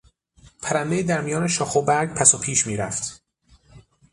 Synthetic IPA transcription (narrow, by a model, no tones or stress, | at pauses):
pʰæɾænd̪ejid̪æɾmijɒːneʃɒːxobæɾɡ̚pʰæsopʰiːʃmiːɾæft̪